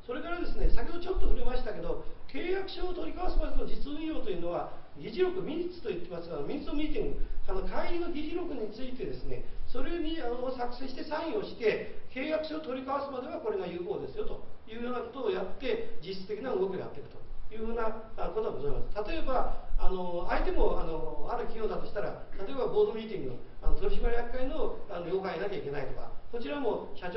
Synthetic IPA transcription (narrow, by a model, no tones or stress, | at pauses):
so̞ɾe̞kaɾad̪e̞sɨne̞sakʲeɦod̪ot͡ɕo̞t̪ːoɯ̟ɾimaɕi̥t̪ake̞d̪o̞ke̞ːjakɯ̟̥ɕoːt̪o̞ɾʲikaβasɨmad̪enod͡ʑit͡sɨoĩjo̞ːt̪o̞jiɯ̟ːno̞βaɡʲiʑiɾo̞kɯ̟mʲiɲ̟ʲit͡sɨ̥t̪o̞it̪ːe̞masɨ̥ano̞mʲiɲit͡sɨomʲiːt̪ʲĩŋɡɯ̟ano̞kʰaiɾʲino̞ɡʲiʑiɾo̞kɯ̟ɲ̟it͡sɨit̪e̞d̪e̞sɨne̞̰so̞ɾeɲianosakɯ̟̥sẽ̞ɕi̥t̪e̞sãɰ̃ĩo̞ɕi̥t̪e̞ke̞ːjakɯ̟ɕoːt̪oɾʲikaβasɨmad̪e̞βako̞ɾe̞ɡajɯ̟ːko̞ːd̪e̞sɨjo̞t̪o̞jɯ̟ːhoːnako̞t̪o̞ːjat̪ːe̞d͡ʑiɕi̥t͡sɨ̥t̪ekʲinaɯɡo̞kʲija̰t̪ːe̞ikɯ̟t̪o̞jɯ̟ːɸɯ̟ːnaako̞t̪o̞ɡabozaimasɨ̥t̪at̪o̞e̞baːno̞ait̪e̞mo̞ano̞aɾɯ̟kʲijo̞ːd̪at̪o̞ɕi̥t̪aɾat̪at̪o̞e̞baɡo̞ːd̪omʲiːt̪̬ʲĩŋɡɯno̰anot̪o̞ɾʲiɕimaɾijakɯkːainoanojo̞ːkãinakʲaikʲe̞nait̪o̞ka̰ko̞t͡ɕiɾamo̞ɕat͡ɕ